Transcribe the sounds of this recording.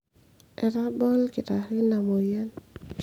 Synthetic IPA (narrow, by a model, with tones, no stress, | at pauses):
ɛ˨ɾa˦bɔ˦lkɪ˨ta˨hi˦na˨mo˨ja˦n